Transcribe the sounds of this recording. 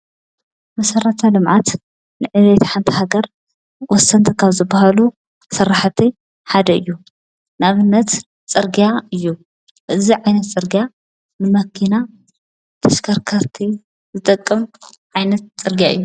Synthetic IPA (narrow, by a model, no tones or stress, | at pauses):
mɐsɐɾɐt̪ʰalɨmʕat̪ | nɨʕɨβet̪ʰħant̪ʰihaɡɐɾ | wɔsːɐnt̪ʰɐkʰaβzɨbahalu | sɐɾaħt̪ʰi | ħad̪ɐɨjːu | naβɨnːɐt̪ | t͡sʼɨɾɡijaɨjːu | ʔɨziʕajnɐt̪t͡sʼɨɾɡija | nɨmɐkʰina | t̪ʰɐʃkʰɐɾkʰɐɾt̪ʰi | zɨt̪ʼɐkʼːɨm | ʕajnɐt̪̚t͡sʼɨɾɡijaʔɨ̰jːu